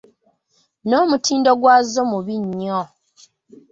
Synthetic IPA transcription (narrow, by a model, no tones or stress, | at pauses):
noːmutʰiːndoɡwaːzomuβiɲːo